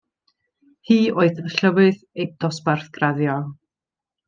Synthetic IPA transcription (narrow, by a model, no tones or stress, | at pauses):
hiːoɨðənɬəvɨð | ejd̥ɔsbarθɡ̥raðjɔ